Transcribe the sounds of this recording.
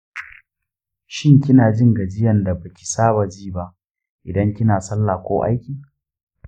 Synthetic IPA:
ʃɪ˦ŋkʲɪ˦naː˨d͡ʒɪ˦ŋɡɐ˨d͡ʒɪ˦jɐ˨nda˨ba˨kʲi̥˨saː˦ba˨d͡ʒiː˦˨ba˦ʔ | ʔɪ˨dɐ˦ŋkʲɪ˦naː˨sɐ˦lːaː˨kʷoː˦ʔa̰˦jkʲiː˨

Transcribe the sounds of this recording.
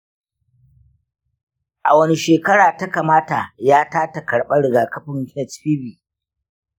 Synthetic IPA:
ʔa˨wɐ˦ni˦ʃeː˨kɐ˦ɽaː˨ta˦kaː˨maː˦ta˨jaː˦taː˦ta˨kɐ˨ɽɓɐ˦ɽɪ˨ɡaː˨kɐ˦ɸɪ˦ŋkɪ˦nɛ˨tɸiː˦biː˨

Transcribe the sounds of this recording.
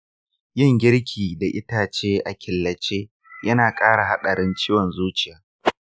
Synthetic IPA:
jɪ˦˨ŋɡʲɪ˦ɽkʲʰiː˨da˨ʔɪ˦taː˨t͡ʃeː˦ʔa˨kʲɪ˨lːɐ˨t͡ʃeː˦ | jɐ˦naː˨kʼaː˦ɽa˨ɦa˦ɗɐ˨ɽɪ˦nt͡ʃiː˦wɔ˨nzuː˦t͡ʃɪ˨jaː˨˦

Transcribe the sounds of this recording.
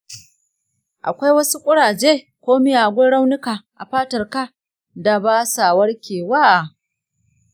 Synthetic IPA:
ʔa̰˨kʷa˦jwɐ˦su˦kʷʼʊ˦ɽaː˨d͡ʒeː˦ | kʷoː˦mi˦jaː˨ɡʷʊ˦ɽa˦wnɪ˦ka˨ʔa˨ɸaː˦tɐ˨rka˦ | da˨baː˦sa˨wɐ˦rkʲeː˨waː˦ʔ

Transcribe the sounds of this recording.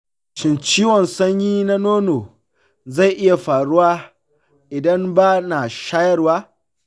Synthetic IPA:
t͡ʃɪ˨nt͡ʃiː˦wɔ˨nsɐ˦ɲjiː˦na˦noː˦noː˨ | za˦˨ʔɪ˦ja˨ɸaː˨ɽʊ˦waː˦ | ʔɪ˨dɐ˦mbaː˦naː˨ʃaː˦jɐ˦rwaː˦

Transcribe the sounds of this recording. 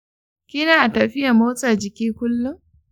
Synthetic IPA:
kʲɪ˦naː˨ʔa˨tɐ˨ɸɪ˦ja˨moː˦sʼa˨d͡ʒɪ˨kʲiː˦kʷʊ˦lːʊ˦ŋ

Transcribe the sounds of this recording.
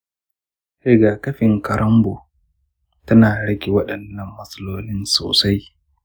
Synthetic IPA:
ʔe˨ɡaː˨kɐ˦ɸɪ˨ŋkɐ˨ɾɐ˦mbo˨ | tɐ˦naː˨ɽɐ˦ɡʲe˨wɐ˦ɗɐ˨nːɐ˨mːɐ˨sʼɐ˦loː˦nɪ˦nso̰ː˨sa˦j

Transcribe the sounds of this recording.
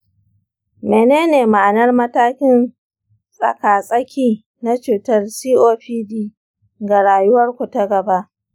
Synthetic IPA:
meː˨neː˦neː˨ma˨ʔnɐ˦rmɐ˦taː˦kʲɪ˦n | sʼɐ̰˨kaː˨sʼɐ˦kʲiː˦ | na˦t͡ʃuː˨tɐ˦rsiː˦ʔoː˦ɸiː˦diː˦ | ɡa˨ɽaː˨jʊ˦wɐ˦rkʷʊ˨ta˦ɡɐ˨ba˦ʔ

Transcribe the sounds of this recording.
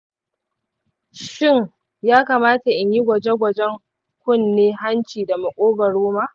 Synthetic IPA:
ʃɪ˦ŋ | jaː˦kaː˨maː˦ta˨ʔɪ˨ɲji˦ɡʷɐ˨d͡ʒe˦ɡʷɐ˨d͡ʒɛ˦ŋ | kʷʊ˦nːeː˦ɦa˦nt͡ʃiː˨da˨mʊ˨kʷʼoː˦bɐ˨ɾoː˦maː˦

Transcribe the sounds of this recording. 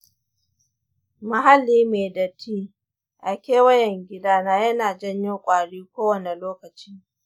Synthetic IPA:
mɐ˨ɦa˦lːiː˦meː˨dɐ˨tʰiː˦ | ʔa˨kʲeː˦wɐ˦jɛ˨ŋɡʲɪ˦daː˦naː˦jɐ˦naː˨d͡ʒɐ˦ɲjoː˦kʷʼaː˨ɽiː˦kʷoː˦wɐ˨ne˨loː˦kɐ˨t͡ʃiː˦

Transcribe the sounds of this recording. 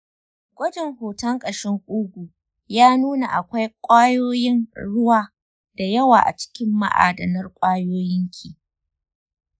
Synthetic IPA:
ɡ̥ʷɐ˦dɪ˨ŋhoː˨tɐ˦ŋkʼɐ˨ʃɪ˦ŋʔʼʊ˦ɡʷu˨ | jaː˦nuː˦na˨ʔa˨kʷa˦jkʷʼaː˦joː˦jɪ˦nɽʊ˦waː˨ | da˨jɐ˦waː˨ʔa̰˨t͡ʃɪ̥˦kʲɪ˦mːa̰˦ʔa̰ː˨dɐ˨nɐ˦rkʷʼaː˦joː˦jɪ˦ŋkʲʰiː˨

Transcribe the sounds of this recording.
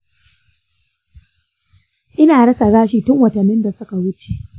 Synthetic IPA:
ʔɪ˦naː˨ɽɐ˦sa˨ɡaː˦ʃiː˨tʊ˦ŋwɐ˨tɐ˨nːɪ˦nda˨sʊ˦ka˨wʊ˦t͡ʃe˨ʔ

